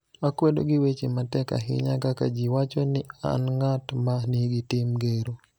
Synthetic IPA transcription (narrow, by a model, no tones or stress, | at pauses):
akwedo̰ɡiwet͡ʃimatɛka̰ɦɪ̰ɲakakad͡ʒiwat͡ʃonɪa̰nŋatmaniɡitɪmɡeɾo